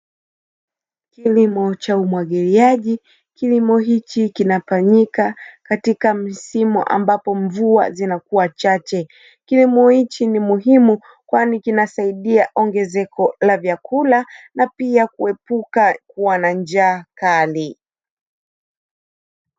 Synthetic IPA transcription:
kilimɔt͡ʃaumwaɠɛliaʄi | kilimɔɦit͡ʃikinafaɲikakatikam̩simṵʔa̰mbapɔɱvua̰zinakuwat͡ʃat͡ʃɛ | kilimɔhit͡ʃinimuɦimu | kwanikinasaiɗiaʔɔŋɡɛzɛkʰɔlavjakulanapiakuɛpukakuwanand͡ʒaːkali

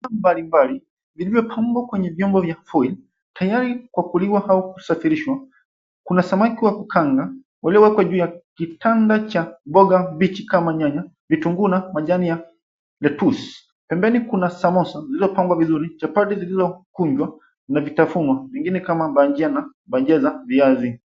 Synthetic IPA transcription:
ambalimbali | vilivjɔpʰamɡwakwɛɲɛvjɔmbɔvjafɔil | tʰajaɾikwakuliwahaukusafiɾiʃwa | kunasamakiwakukaŋɡa | waliɔwɛkwaʄuːjakitandat͡ʃabɔɡabit͡ʃikamaɲaɲa | vituŋɡunamaʄanija | lɛtus | pɛmbɛnikunasamɔsazilizɔpambwavizuɾit͡ʃapadɛzilizɔkuɲd͡ʒwa | navitafunwavɛŋɡinɛkamaɓaɲd͡ʒiana | bad͡ʒɛzaviazi

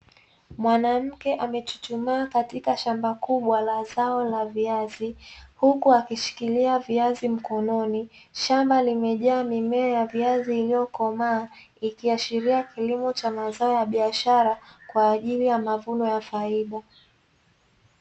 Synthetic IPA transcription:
mwanam̩kɛʔamɛt͡ʃu̥t͡ʃumaakatikaʃambakuɓwalazaɔlaviazihukuakiʃi̥kiliaviazim̩kɔnɔni | ʃambalimɛʄaːmimɛɔjaviaziːlijɔkɔmaː | ikiaʃiɾiakilimɔt͡ʃamazaɔjaɓiaʃaɾakwaːʄilijamavunɔjafaiɗa

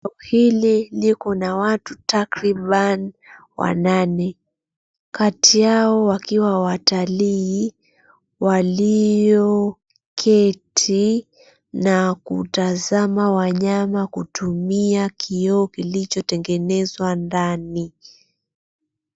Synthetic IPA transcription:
ɔhililikɔnawatutakɾiɓan | wʔa̰nanɛ | katijaɔwakiwawataliː | walijjɔ | kʰɛtʰi | nakṵtazamawaɲamakutumiakʰiɔɔkilit͡ʃɔtɛŋɡɛnɛzwandani

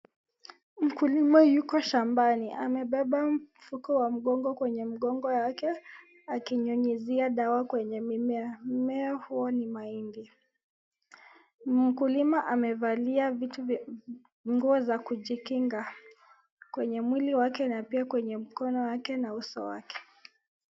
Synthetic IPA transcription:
m̩kulimajukɔʃambaniʔa̰mɛɓɛɓam̩fukɔwam̩ɠɔŋɡɔkwɛɲɛm̩ɠɔŋɡɔjakɛ | akiɲɔɲiziaɗawakwɛɲɛmimɛmɛɔhuɔnimaindi | m̩kulimaʔamɛvaliavit | ŋɡuɔzakuʄikiŋɡa | kwɛɲɛmwiliwakɛnapiakwɛɲɛm̩kɔnɔwakɛnausɔ̰wa̰kɛ̥

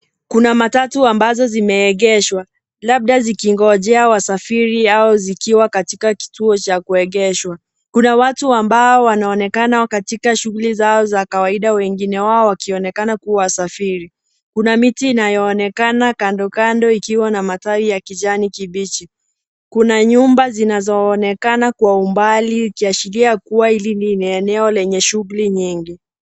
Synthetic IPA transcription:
kunamatatuambazɔzimɛːɠɛʃwa | laɓ̚ɗazikiŋɡɔʄɛawasafiɾiaɔzikiwakatikaki̥tuɔt͡ʃakuɛɠɛʃwa | kunawatuambaɔwanaɔnɛkanakatikaʃuɣulizaɔzakawaiɗawɛŋɡinɛwaɔwakiɔnɛkanakuwawasafiɾi | kunamitiːnajɔːnɛkanakandɔkandɔikiwanamataijakiʄanikiɓit͡ʃi | kunaɲumbazinazɔːnɛkanakwaumbaliukiaʃiliakuwailininiɛnɛɔlɛɲɛʃuɣuliɲiŋɡi

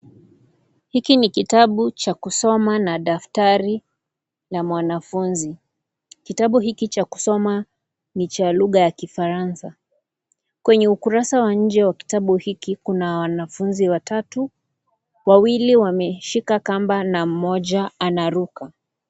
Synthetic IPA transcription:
hikinikitaɓut͡ʃakusɔmanaɗaftaɾi | lamwanafunzi | kitaɓuɦikit͡ʃaku̥sɔma | nit͡ʃaluɣajakifaɾansa | kwɛɲɛukuɾasawaɲ̩d͡ʒɛwaki̥taɓuhikikunawanafunziwatatu | wawiliwamɛʃikakambanam̩mɔʄaanaɾuka

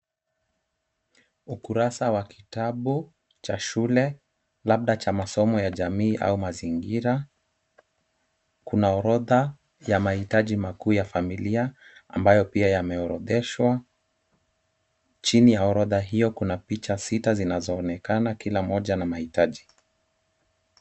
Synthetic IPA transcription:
ukuɾasawakʰitaɓu | t͡ʃaʃulɛ | laɓ̚ɗat͡ʃamasɔmɔjaʄamiːʔa̰umaziŋɡiɾa | kunaɔɾɔða | jamahitaʄimakuːjafamiliaa̰mbajɔpiajamɛɔɾɔ̰ðɛʃwa | t͡ʃinijaɔɾɔðaɦijɔkunapit͡ʃasitazinazɔːnɛkanakilamɔʄanamahitaʄi

